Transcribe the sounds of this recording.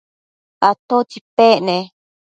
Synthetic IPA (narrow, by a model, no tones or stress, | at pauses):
at̪ot͡ʃipeʔnẽ